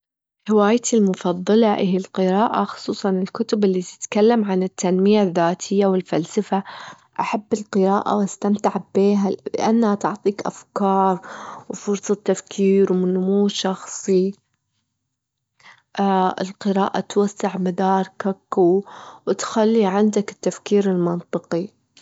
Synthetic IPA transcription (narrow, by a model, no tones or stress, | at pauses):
hɪwaːjt̪ilmʊfɑðˤːɑlɑʔɪɦilqɨɾaːʔa̰xʊ̥sˤuːsˤɑnɪlkʊt̪ʊbɪlːit̪ɪ̥t̪kalːamʕanɪt̪ːanmɪjaðːaːt̪ʰɪjːawɪlfalsafa | ʔaħabːɪlqɨɾaːʔa̰wʔast̪amt̪aʕbeːɦalɪ̰ʔa̰nːhat̪ʊʕt̪ˤiːkʔa̰fkɑːɾˤwfʊɾsˤɑt̪ːafkʰiːɾwmɪnʊmuːʃɑxsˤi | ʔaɪ̰lqɨɾaːʔa̰t̪wasːaʕmad̪ɑːɾˤkakːuwɪt̪xalːiʕɪnd̪akɪ̥t̪ːafkiːɾɪlmɑnt̪ˤɨqi